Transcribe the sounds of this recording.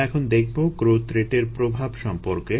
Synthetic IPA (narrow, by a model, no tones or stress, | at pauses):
ɛkʰond̪ekʰbokɾot̪ɾeʈeɾpɾobʱabʃɔmpoɾke